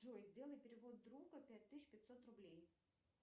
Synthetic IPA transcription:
ʐojzʲdʲe̞lˠəjɪpʲɪɾʲɪvo̞d̪̚d̪ɾuɡəpʲæt̚ʲt̪ːɨsɪɕpʲɪt̪ʲsot̪rʊblʲej

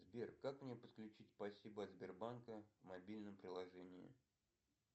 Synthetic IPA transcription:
zbʲerkːakmnʲepət̪klʲʉt͡ɕitʲspɐsʲibəɐt̪zʲbʲɪrbankəvmɐbʲilʲnəmpɾʲɪlˠɐʐɛnʲɪɪ̰

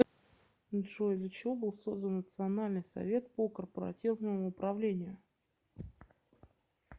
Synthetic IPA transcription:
ʐod̪lʲət͡ɕɪvo̞bɨlˠso̞zd̪ənːət̪sɨɐnalʲnɨjsɐ̰vʲe̞t̪̚pokərpəɾɐ̰tʲivnəmʊːpɾɐvlʲenʲɪjʊ

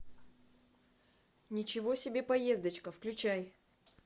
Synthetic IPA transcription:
nʲɪt͡ɕɪvo̞sʲɪbʲe̞pɐje̞zd̪ət͡ɕkəfklʲʉt͡ɕæj

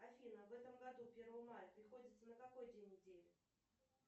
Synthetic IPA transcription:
ɐfʲinəvɛt̪əmɡɐd̪upʲe̞rvəjəmajəpɾʲɪxodʲɪt̪sənəkako̞jdʲenʲːɪdʲelʲɪ

